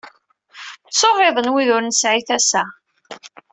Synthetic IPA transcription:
soʁeðˤənwiðʊɾnəsʕiθæsæ

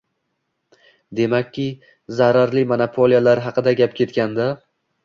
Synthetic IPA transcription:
d̪e̞makʲʰːɪ | zaɾaɾlɪmonapʰolˠijalaɾɦɑqɨd̪aɡʲap̚kʲʰe̞t̪kʲand̪a

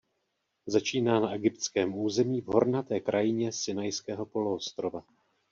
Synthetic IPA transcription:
zat͡ʃiːnaːnaʔɛɡɪpt̪t͡skɛːmuːzɛmiːvɦo̞̰ɾnat̪ɛːkɾʔajɪɲɛsɪnajskɛːɦo̞po̞loost̪ɾo̞va

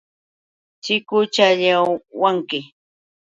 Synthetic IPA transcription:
t͡ʃɪkʊt͡ʃaʎawaŋkɪ

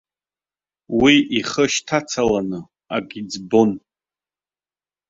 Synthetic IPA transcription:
wiʔiχəʃtʰat͡sʰalanɨ | aɡʲid͡zbon

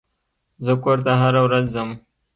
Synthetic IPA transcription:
zəkoɾt̪aɦaɾawɾazːəm

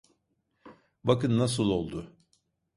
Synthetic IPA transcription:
bakɯnːas̬ɯlˠo̞lˠd̪ʊ

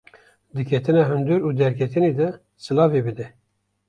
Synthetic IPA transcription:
d̪ɨkʲʰɛt̪ɨnɑːɦɨnd̪uɾuːd̪ɛɾkʰɛt̪ɨneːd̪ɛ | sɨlɑːveːbɨd̪ɛ

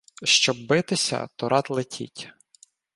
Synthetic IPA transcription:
ʃt͡ʃɔb̚bɪt̪ɪsʲɐ̰t̪ɔɾʔɑt̪lˠɪtʲʰḭtʲ

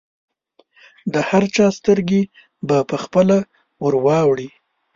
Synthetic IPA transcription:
d̪əhaɾt͡ʃɑst̪əɾɡe | bapəxpəla | wəɾwɑwɽi

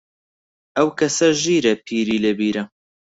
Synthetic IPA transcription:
ʔɐwkʰɐsɐʒiːɾɐpʰiːɾiːlɐbiːɾɐ

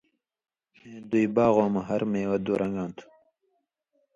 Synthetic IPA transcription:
mẽːd̪uibaːɣoːmɐɦɐɾmeːwɐd̪uːɾʔɐŋɡãːnt̪ʰu̥

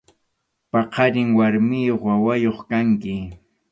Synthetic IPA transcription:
pɑqɑɾɪŋwaɾmɪjoχwawajoχkaŋkɪ

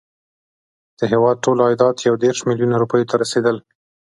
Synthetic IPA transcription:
d̪̥əɦewɑd̪̚ʈolɑjd̪ɑt̪jawd̪eɾʃmɪljunaɾupəjot̪ʰaɾased̪əl

